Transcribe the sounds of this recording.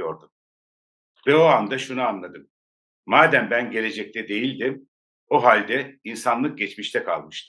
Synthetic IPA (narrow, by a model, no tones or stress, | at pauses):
jo̞ɾd̪um | vɛo̞and̪aʃunuanlˠad̪ɯmː | aːd̪æmbænɟe̞lʲe̞d͡ʒɛc̚t̪ʰɛd̪e̞jilʲd̪im | oɦalʲd̪ɛinsanlˠɯk̚ɟɛt͡ʃmiʃt̪ʰɛkʰa̰lˠmɯʃt̪ɯ